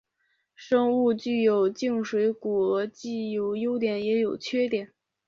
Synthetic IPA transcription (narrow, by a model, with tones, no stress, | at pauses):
ʂɤ˥ŋu˥˧t͡ɕy˥˩jo˨˩ʊt͡ɕi˥˩˧ŋʂwe˧˥ɪku˨˩ɤ˧˥t͡ɕi˥˩jo˨˧˩ʊjo˥ʊt̪jɛ˨˩njɛ˧˥jo˨˩ʊt͡ɕʰɥɛ˥t̪jɛ˨˩˦n